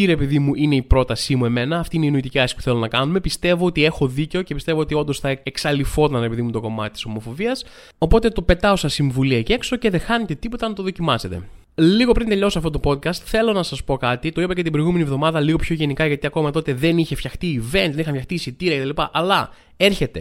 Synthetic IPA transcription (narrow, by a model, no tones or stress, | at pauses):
iɾe̞piðimuʔine̞ipɾo̞t̪ɐsimue̞me̞nɐːft̪iineinoit̪iciɐsi̥puθe̞lo̞nɐkɐnume̞pist̪e̞vo̞ot̪ie̞xo̞ðice̞ocepist̪e̞voot̪io̞nd̪osθɐeksɐlifo̞t̪ɐnɾepiðimut̪o̞ko̞mɐt̪it̪i̥somo̞fo̞viɐs | o̞po̞t̪e̞t̪o̞pe̞t̪ɐo̞sɐsiɱvuliece̞kso̞ceðexɐnet̪e̞t̪ipo̞t̪ɐnɐt̪o̞ðo̞cimɐse̞t̪e̞̰ | liɣo̞pɾint̪e̞ʎo̞soɐft̪ot̪opo̞t̪̚kɐst̪θe̞lo̞nɐsɐspo̞kɐt̪it̪o̞ipɐcet̪ibɾjɣume̞nivðo̞mɐðɐliɣo̞pço̞ʝe̞nikɐʝɐt̪iɐko̞mɐt̪o̞t̪e̞ðeniçe̞fçɐxt̪iːve̞nt̪ðeixɐmfçɐxt̪iːsit̪iɾɐceɐlipɐʔɐlɐ | e̞ɾçe̞t̪e̞